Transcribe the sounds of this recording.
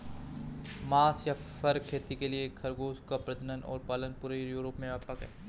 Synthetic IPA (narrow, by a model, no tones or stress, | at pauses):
maːsjafɐɾkʰeːt̪ikeliekʰɐɾɡoːskapɾɐd͡ʒənənʔɔ̰ːɾpaːlənpuːɾejuːɾopmẽɐpakɦɛ̰ː